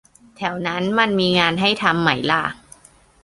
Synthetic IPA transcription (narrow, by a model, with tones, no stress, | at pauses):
t̪ʰɛː˩˦wna˦˥nma˧nmiː˧ŋaː˧nɦa˥˩jt̪ʰa˧mːa˩˦jlaː˧˩k̚